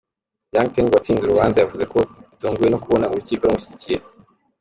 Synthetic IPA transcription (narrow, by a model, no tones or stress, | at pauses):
jaːŋteŋɡwat͡siːnzuɾuβaːnzajavuze̞ko̞ituːŋɡuje̞no̞kuβo̞nauɾuciːkoɾomuçiɟicije̞